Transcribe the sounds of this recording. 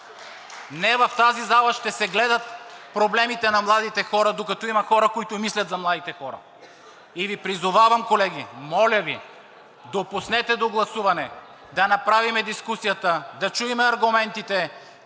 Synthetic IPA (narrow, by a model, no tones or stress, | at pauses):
nɛvɐft̪azizalˠɐʃt̪ɛsɛɡlɛd̪ɐt̪pɾoblɛmit̪ɛnɐmlˠad̪it̪ɛxɔɾɐd̪okɐt̪ɔimɐxɔɾɐkoit̪ʊmislʲɐt̪zɐmlˠad̪it̪ɛxɔɾɐ̰ | ivipɾizʊvavɐmkolɛɡimɔlʲəvi | d̪opusnɛt̪ɛd̪oɡlˠɐsuvɐnɛ | d̪ɐnɐpɾavimɛd̪iskusijɐt̪əd̪ɐt͡ʃuimɛɐɾɡʊmɛnt̪it̪ɛ